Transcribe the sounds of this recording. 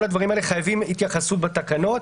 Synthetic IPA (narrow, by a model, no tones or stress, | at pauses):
lhad̪vaʁimaeleχajavimit̪jaχasutbat̪akano̞t̪